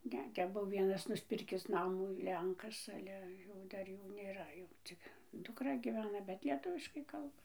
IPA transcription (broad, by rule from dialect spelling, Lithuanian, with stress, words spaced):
ˈnʲɛ ˈtʲɛp ˈbuɔ ˈʋʲiɛnɐs nʊsʲˈpʲɪrʲkʲɪs ˈnɑːmuː ˈlʲɛŋkɐs ˈɑːlʲɛ jɛʊ ˈdɐr ˈjuː ˈnʲeːrɐ jɛʊ ˈt͡sʲɪk dʊkˈrɐ ɡʲiːˈʋʲæːnɐ bʲɛt lʲiɛˈtʊʋʲɪʃkɐɪ ˈkɐlˠbɐ